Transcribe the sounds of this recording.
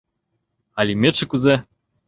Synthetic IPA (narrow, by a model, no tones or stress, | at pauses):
alʲimʲeʂɘ̆kuze